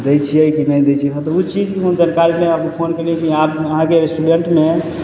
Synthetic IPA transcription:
d̪et͡ʃʰiəjkinəjd̪ɛjt͡ʃʰiɦət̪ɔut͡ʃid͡ʒkiɦomd͡ʒənkaɾimeəpnepʰonkəɾiɛ̃kiabəɦãkeɾesʈuɖeɳʈme

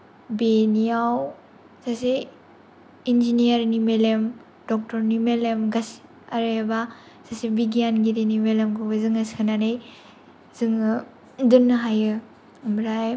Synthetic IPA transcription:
benijaw | sase | ind͡ʒinijaɾnimelem | dɔk̚tɔɾnimelemɡas | aɾeba | sasibiɡijanɡidinimelemkʰɯbɯzɯŋaskʰɯnanej | zɯŋɯ | dɯnːɦajɯː | mɾaj

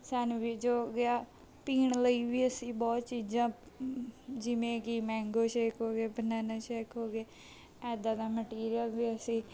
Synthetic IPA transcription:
saːnuʋid͡ʒoːɡɪaː | piːɳləiːʋiːəsĩːbɔːt̪t͡ʃiːd͡ʒãː | d͡ʒɪʋẽːkɪmɛ̃ːŋɡoːt͡ʃeːkɦoːɡeːbənɛːnaːt͡ʃeːkɦoːɡeː | ɛːd̪ãːd̪aːməʈiːɾɪjəlʋiːəsĩː

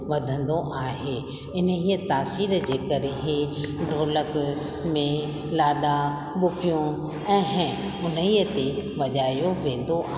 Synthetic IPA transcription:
ʋɐd̪ʱə̃nd̪oʔaːɦe | ɪnəɦiːət̪aːsiːɾd͡ʑeːkɐɾeɦeɖʱoːlək | mẽ | laːɗa | ɓʊkʰijũ | ɛ̃ː | ʊn̤əiːət̪eʋɐʄaːijoʋẽːn̆d̪oaː

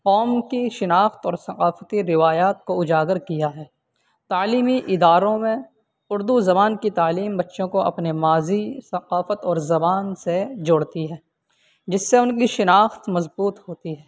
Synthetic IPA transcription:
qɔːmkiʃɪnaːxt̪ɔːɾsɐqaːfət̪iɾɪʋaːjaːt̪koʊd͡ʒaːɡəɾkijaɦɛː | t̪aːliːmiʔɪd̪aːɾõmẽ | ʊɾd̪uzɐbaːnkit̪aːliːmbɐtːʃõkoɐ̰pnemaːzisɐqaːfət̪ɔːɾzɐbaːnsed͡ʒʊːɽt̪iɦɛː | d͡ʒɪsːeʊnkiʃɪnaːxt̪mɐzbuːt̪ɦoːt̪iɦɛː

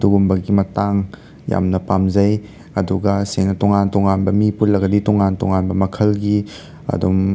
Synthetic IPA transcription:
duɡumbɐɡimɐtaŋ | ja̰mnɐpamzɐj | ɐduɡɐseŋnɐtoŋantoŋanbɐmipullɐɡɐditoŋantoŋanbɐmɐkʰɐlɡi | ɐ̰dum

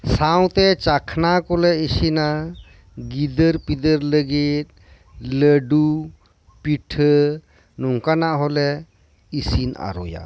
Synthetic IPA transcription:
saw̃t̪et͡ʃakʰnakolɛisina | ɡid̪əɾpid̪əɾləɡit̪̚ | ləɖu | piʈʰə | nuŋkanaɦolɛ | isina̰ɾo̰ja̰

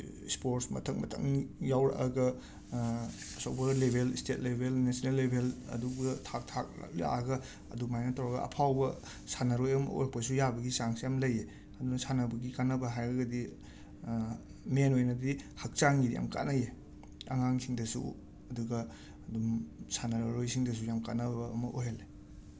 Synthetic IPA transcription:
spoɾsmɐ̰tʰɐŋ̚mɐtʰɐ̰ŋjawɾɐ̰ʔɐ̰ɡɐ | ɐsowbɐlebʱelistet̚lebʱelnesinelːebʱelɐ̰duɡɐtʰak̚tʰak̚a̰kja̰ɡɐ | ɐ̰dumajnɐtʰɐwɾɐɡɐ̰ɐ̰pʰawbɐ | sanɐɾojɐmo̰jɾɐk̚pɐsujabɐɡisaŋsiamlɐje | ɐdunɐsanɐbɐɡikanɐbɐɦajɐɡɐdi | menojnɐdihɐk̚t͡ʃaŋɡidija̰mka̰tnaje | ɐ̰ŋaŋsiŋdɐsṵ | ɐduɡɐ | ɐdumsanɐɾɾojsiŋdɐs̬ujamkatnɐbɐɐmɐʔoɦele

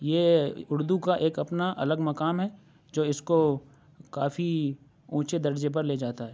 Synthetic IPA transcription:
jeːʊɾd̪ukaʔeːkɐpnaʔɐ̰ləɡmɐkaːmɦɛ | d͡ʒoːɪsko | kaːfi | ũːt͡ʃed̪ɐɾd͡ʒep̬ɐɾleːd͡ʒaːt̪aɦɛː

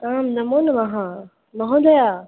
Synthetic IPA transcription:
kaːmnɐmoːnmãɦã | mɐ̃ɦõːnd̪ɐjaː

